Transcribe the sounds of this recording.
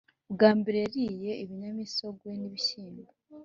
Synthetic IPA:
βɡaːmbiɾeɾije̞iβiɲamiso̞ɡwe̞niβiçiːmbo

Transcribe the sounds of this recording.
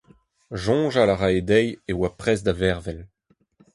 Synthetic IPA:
ʒɔ̃ːʒalaʁaed̪ɛjewapχɛzd̪avɛʁvɛl

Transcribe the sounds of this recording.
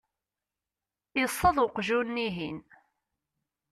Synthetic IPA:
jəsˤːɑðˤʊqʒunːiɦin

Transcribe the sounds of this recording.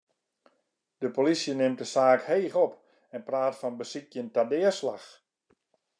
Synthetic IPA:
d̥əpolisjənɪmt̚dəsaːkheːɣɔp | ɛnpraːtfɔnbəsikjəntadɪəslax

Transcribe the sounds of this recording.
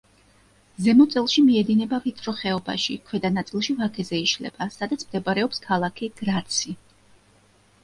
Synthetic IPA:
zɛmɔt̪sʼɛlˠʃimiɛd̪inɛbapit̪ʰɾɔχɛɔba̰ʃḭkʰwɛd̪anat̪sʼilˠʃivakʰɛzɛiʃlɛ̰b̥asad̪at̪sʰmd̪ɛbaɾɛɔpskʰalˠakʰiɡ̥ɾat̪sʰi

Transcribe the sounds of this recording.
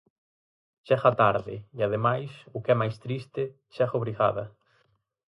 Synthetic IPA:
t͡ʃɛɣat̪aɾðɪ̰iaðemajsʊkɛmajst̪ɾist̪ɪ | t͡ʃɛɣʊβɾiɣa̰ðɐ

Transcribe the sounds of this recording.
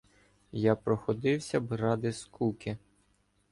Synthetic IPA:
japɾɔxɔd̪ɪwsʲɐbɾɑd̪ɪskukʲɪ

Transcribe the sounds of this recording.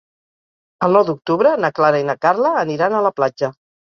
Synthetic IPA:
əlˠnɔwd̪uk̚t̪uβɾənəklaɾəinəkaɾləːniɾanələplad͡ʒə

